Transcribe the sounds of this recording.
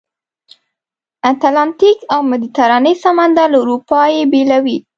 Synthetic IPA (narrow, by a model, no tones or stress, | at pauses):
at̪alant̪ikawmad̪it̪aɾɑnəjsɑmand̪alauɾupɑjebelawi